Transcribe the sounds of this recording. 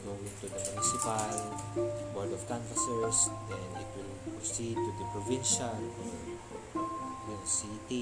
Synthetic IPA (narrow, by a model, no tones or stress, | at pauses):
ɡowɪ̃ŋt̪ud̪ɐmʊnɪsɪpal | wɔɹd̪ɔfkãnfɐsɛɹsd̪ɛ̃nɪt̪wɪlpɹosid̪̚t̪ud̪ɐpɹɔvĩnʃal | jʊ̃ŋsit̪i